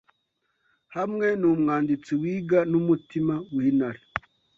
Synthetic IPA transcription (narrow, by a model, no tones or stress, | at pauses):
hamŋe̞numŋaːndit͡siwiːɡanumutimawiːnaɾe